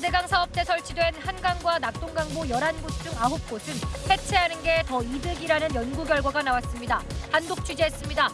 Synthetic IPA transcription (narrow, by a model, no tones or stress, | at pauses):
de̞ɡaŋsʰaʌp̚t͈e̞sʰʌɭt͡ɕʰidwe̞nhanɡaŋɡwanak̚t͈oŋɡaŋbojʌɾanbut͡ɕ͈uŋaɦup̚k͈osʰɯnhe̞t͡ɕʰe̞ɦanɯnɡe̞tʌidɯɡiɾanɯnjʌnɡuɡjʌɭɡwaɡanawas͈ɯmɲidahandok̚t͡ɕʰud͡ʑiɦes͈ɯmɲida